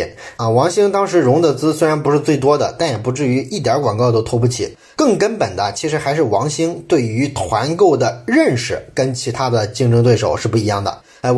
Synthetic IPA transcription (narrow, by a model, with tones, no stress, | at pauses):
nə˥˧wɑ˧˥ŋɕi˥ŋt̪ɑ˥ŋʂɻ̩˧˥ɻʊ˧˥ŋd̪ə˨t͡sɹ̩˥swe˥ɪɻa˧˥npu˧˥ʂɻ̩˥˧t͡swe˥˩ɪt̪̬wɔ˥d̪ə̰˨t̪a˥˩njɛ˨˩pu˧˥ʈ͡ʂɻ̩˥˩y˧˥ʔi˥˩t̪̬jɑ˧˥kwa˨˩ŋkɑ˥˧ʊt̪o˥ʊt̪ʰɔ˥p̬u˥˩t͡ɕʰḭ˨˩˦ | kɤ˥˩ŋkə˥npə˨˩nd̪ə˦t͡ɕʰi˧˥ʂɻ̩˧˥xa˧˥ɪʂɻ̩˥˩wɑ˧˥ŋɕi˥ŋt̪we˥˩ɪy˧˥t̪ʰwa˧˥nko˥˩ʊd̪ə˩ɻə˥˩nʂɻ̩˥˩kə˥nt͡ɕʰi˧˥t̪ʰa˥d̪ə˨t͡ɕi˥˧ŋʈ͡ʂɤ˥ŋt̪we˥˩ɪʂo˨˩ʊʂɻ̩˥˧pu˥˩i˧˥jɑ˥˩ŋd̪ə̰˩˥˩